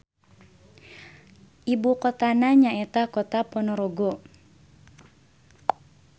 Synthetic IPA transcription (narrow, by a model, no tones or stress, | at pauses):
ʔibukɔt̪anaɲaɛt̪akɔt̪apɔnɔɾɔɡɔ